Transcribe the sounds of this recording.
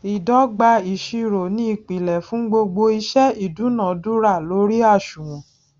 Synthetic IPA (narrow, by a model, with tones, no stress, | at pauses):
i˨dɔ˨˦ɡ͡ba˧i˨ʃi˧ɾo˨nĩ˦i˦˨k͡pi˨lɛ˨fũ˨˦ɡ͡bo˧ɡ͡bo˧i˧ʃɛ˦i˦˨du˨˦nã˦˨˦du˦ɾa˦˨lo˨˦ɾi˦a˦˨ʃũ˨ũ˨